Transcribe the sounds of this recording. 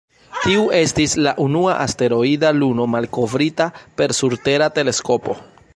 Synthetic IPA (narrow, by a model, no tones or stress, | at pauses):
tiuʔe̞stislaʔunuaʔaste̞ɾo̞idaluno̞malko̞vɾitape̞ɾsuɾte̞ɾate̞le̞sko̞po̞̰